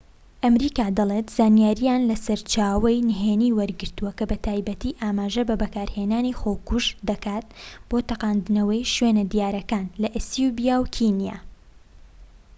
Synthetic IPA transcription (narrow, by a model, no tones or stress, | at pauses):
ʔɐmɾiːkaːd̪ɐlˠet̪z̥aːnjaːɾijaːnlɐsɐɾt͡ʃaːwɐjnɦeːniːwɐɾɡɨɾt̪uwɐkɐbɐt̪ʰaːjbɐt̪iːʔaːmaːʒɐbɐbɐkaːɾheːnaːnixoːwkuʒd̪ɐkaːt̪̚b̥oːt̪ɐqaːnd̪ɨnɐwɐjʃweːnɐd̪ijaːɾɐkaːnlɐʔsjubijaːwkʰinja̰ː